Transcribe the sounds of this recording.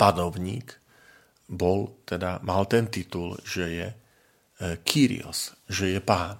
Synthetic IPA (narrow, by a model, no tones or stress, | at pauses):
panɔʊɲiːk | bɔlt̪ɛd̪amalt̪ɛnt̪it̪ulʒɛjɛ | kʰiɾḭɔ̰sʒɛjɛpaːn